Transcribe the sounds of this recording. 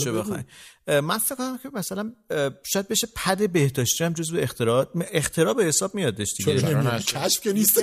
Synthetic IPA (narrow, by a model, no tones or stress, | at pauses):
ʃebexɒ̰jmænfekonæmcʲʰemæsælænʃɒːjæd̪̚be̞ʃepʰæd̪e̞be̞hd̪ɒːʃt̪iæmd͡ʒozveːxχt̪ʰeɾɒext̪ʰe̞ɾɒːbehesɒːb̚mijɒd̪eʃd̪̥iɡeæeɾækʰæʃfkenist̪